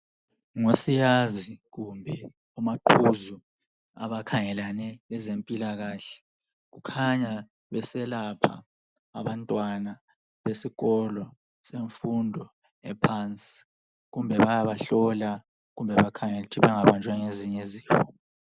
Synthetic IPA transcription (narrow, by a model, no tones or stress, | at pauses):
ŋosijaziɣumbʱɛ | umaǃʰuzu | a̰βakʰaŋɛlanɛlɛzempʼilaɣaːɬɛ̥ | ɣ̬ukʰaɲa | βɛsɛlapʰa̰ː | βantʼwana | βesiɣɔlɔ | seɱfundʱɔ | ɛ̰pʰant͡sʼi̥ | ɣumbʱɛβajaβaɬɔla | ɣumbʱɛβakʰaŋɛtʰiβaŋaβant͡ʃʼwaŋeziɲeziːfɔ